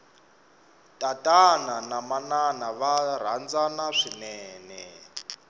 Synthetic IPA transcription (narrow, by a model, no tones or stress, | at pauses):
tʼatʼananamananaβar̤and͡zanaʂinɛːnɛ